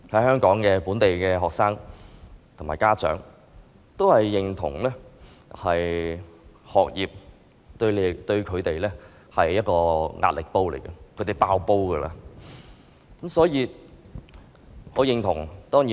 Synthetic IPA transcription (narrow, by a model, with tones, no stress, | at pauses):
hɐ˨˥jɦœː˥ŋkɔː˨˥ŋkɛː˧puː˨˥nt̪e˨jkɛː˧ɦɔː˨k̚saː˥ŋ | t̪ʰʊ˨˩maː˨˩jkaː˥t͡ʃœ̰ː˨˥ŋ | t̪o˥whɐ˨jːɪ˨˩ŋt̪ʰʊ̰˨˩ŋlɛː˥ | hɐ˨j | hɔː˨k̚jiː˨p̚ | t̪ɵ˧ɥle˨˧t̪ɵ˧ɥkʰɵ˨˧ɥt̪e˨jlɛː˥ | hɐ˨jːɐ˥t̚kɔː˧ŋʔa̰ː˧t̚lɪ˨k̚po˥wle˨˩jkɐ˧kʰɵ˨˧˥t̪e˨jpaː˧wpo˥wkəː˧la̰ː˧ | kɐ˨˥msɔː˨˥jiː˧ | hɔ˨˥wjɪ˨˧ŋt̪ʰʊ˨˩ŋt̪ɔː˥ŋjiː˨˥